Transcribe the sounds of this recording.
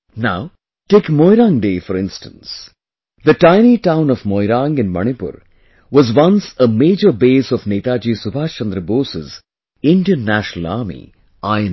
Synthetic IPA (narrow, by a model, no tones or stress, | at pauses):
naʊ | ʈeːkmɔɪɾãŋɖeːfɔɾɪ̃nsʈə̃ns | d̪əʈãɪniʈãʊ̃nɔvmɔɪɾãŋɡɪ̃nmʌ̰ɳ̃ipʊ̰ɾ | ʋɔzwʌ̃nsəmeːd͡ʒəɾbeːsɔʋneːt̪aːd͡ʒiːsubʱaːt͡ʃə̃nd̪ɾəboːsɪ̰z | ɪ̃ɳɖiə̃nnːæʃnəl̩a̰ɾmḭ | aɪ̃